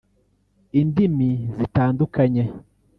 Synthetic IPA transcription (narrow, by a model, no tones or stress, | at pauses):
indimizitaːndukaɲe